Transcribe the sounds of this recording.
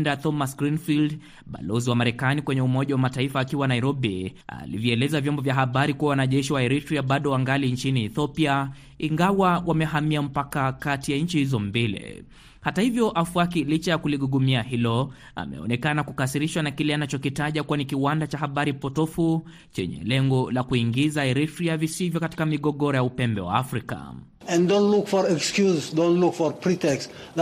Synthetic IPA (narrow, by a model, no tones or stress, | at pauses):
ndat̪ɔmasɡɾinfild | ɓa̰lɔziwamaɾɛkanikwɛɲɛumɔʄawamataifaːkiwanaiɾɔɓḭa̰lḭvjiɛlɛzavjɔmbɔvjaɦaɓaɾikuawanaʄɛʃiwaɛɾitɾiaɓaɗɔwaŋɡalint͡ʃiniːθɔpia | iŋɡawawamɛɦamiam̩pakakatijaɲ̩t͡ʃihizɔmbilɛ̰ | hatahivjɔʔafuak̬ilit͡ʃajakuliɠuɠumiaɦilɔ | a̰mɛ̰ɔ̰nɛkanakukasiɾiʃwanakilɛanat͡ʃɔkitaʄakuanikiwandat͡ʃahaɓaɾipɔtɔfu | t͡ʃɛ̰ɲɛ̰lɛŋɡɔlakuiŋɡizaɛɾifɾiavisivjɔkati̥kamiɠɔɠɔɾɔjaupɛmbɛ̰wa̰afɾika̰ | ɛ̃ndõnlukfɔɾɛkskjuzdõnlukfɔɾpɾitɛks